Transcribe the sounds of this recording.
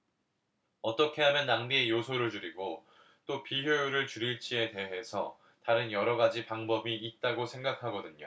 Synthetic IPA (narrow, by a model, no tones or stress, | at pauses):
ʌt͈ʌkʰe̞ɦamjʌnːaŋbie̞josʰoɾɯɭt͡ɕuɾiɡo | t͈opiçjojuɾɯɭt͡ɕuɾiɭt͡ɕ͈ie̞te̞ɦe̞sʰʌ | taɾɯnjʌɾʌɡad͡ʑipaŋbʌbiːt̚t͈aɡosʰe̞ŋɡakʰaɡʌdɯɲo